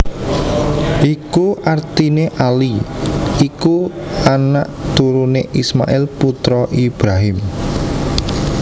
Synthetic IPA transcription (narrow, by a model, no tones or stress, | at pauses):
ʔikuʔart̪ineʔaliikuanaʔt̪uɾuneʔisma̰ʔɪlput̪ɾɔʔib̥ɾaɦɪm